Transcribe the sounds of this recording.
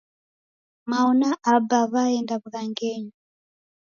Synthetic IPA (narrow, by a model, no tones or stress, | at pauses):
maɔnaʔabaβaɛndaβuðaŋɡɛɲɔ